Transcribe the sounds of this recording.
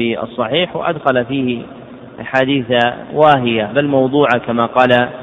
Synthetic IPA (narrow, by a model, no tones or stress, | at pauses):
ɪʔɑ̰sˤːɑħiːħwɪ̰ʔa̰d̪xalafiːhɪ | ʔaħaːd̪iːθawaːɦɪjabalmɑwd̪ˤuːʕakamaːqɑːla